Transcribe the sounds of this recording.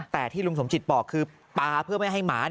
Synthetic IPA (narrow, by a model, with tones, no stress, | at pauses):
t̪ɛː˨˩t̪ʰiː˥˩lu˧mso˩˦mt͡ɕi˨˩t̪̚bɔː˨˩kʰːɯː˧ | paː˧pʰɯ˥˩əma˥˩jɦa˥˩jmaː˩˦